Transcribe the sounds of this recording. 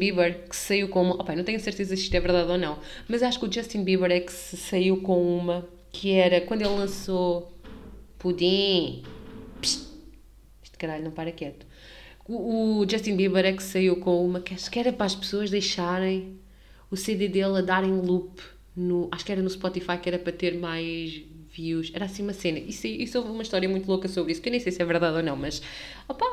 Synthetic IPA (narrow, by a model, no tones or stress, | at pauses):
biβɛɾkɨ̥sɐiwkõumɐʔɔpanɐ̃w̃t̪ɛ̃ɲɐ̃sɨɾt̪ezɐsiʃt̪wɛvɨɾðaðonɐ̃w̃ | mɐzaʃu̥kuʒɐʃt̪ĩbiβɛɾɛksɨsɐiwkõumɐ | kʰɨɛɾɐkwɐ̃nd̪welˠlˠɐ̃so | pud̪ĩ | pʃ | iʃt̪kɐɾaʎunɐ̃w̃paɾɐkɛt̪u̥ | uːʒɛʃt̪ĩnbiβɐɾɛksɐiwkõumɐkaʃu̥kɛɾɐpɾaʃpsoɐʒd̪ɐjʃaɾɐ̃j̃ | useðeðelˠɐðaɾɐ̃j̃lˠup | nuʔaʃu̥kɛɾɐnuspɔt̪ifajkɛɾɐpɾɐt̪eɾmajʒviwʃɛɾasĩumɐsenɐʔisʔisovumɐiʃt̪ɔɾiɐmũj̃t̪ulˠokɐsoβɾisu̥kewnẽsejsɛvɨɾðaðonɐ̃w̃mɐʃ | ɔpa